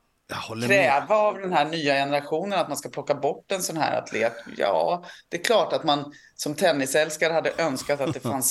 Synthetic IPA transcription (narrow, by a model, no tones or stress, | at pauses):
ɾɛːvaːvd̪ɛnhæːɳyːajɛnəɾaɧuːnənat̪̚manskapʰlɔkːabɔʈːɛnsɔnhæ̰ːɾa̰t̪ʰlḛːt̪jɑ̰ːd̪̥ɛɛkʰlɑːʈat̪man | sɔmt̪ʰɛnːɪsɛlskaɾəhad̪ːəʔœnskat̪at̪̚d̪ɛfans